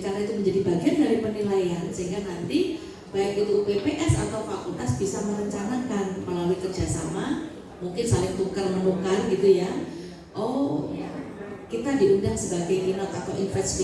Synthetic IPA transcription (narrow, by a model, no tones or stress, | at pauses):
kanait̪uməɲd͡ʒadibaɡiandaɾipənilajansəɦiŋɡanant̪i | b̥aɪkit̪uupepeʔɛsa̰t̪awfakult̪asb̥isaməɾəɲt͡ʃanakanməlaluikərd͡ʒ̥asama | muŋkɪnsalɪŋt̪uŋkarmənukarɡit̪uja | ʔo | kit̪adiʔundahsəbaɡajlinat̪at̪awinfɛsti